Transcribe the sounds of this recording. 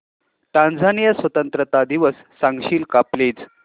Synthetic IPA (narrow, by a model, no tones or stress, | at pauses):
ʈãnd͡zʱanijəsʋət̪ənt̪ɾət̪ad̪iʋəsːãŋɡɕiːlkapled͡z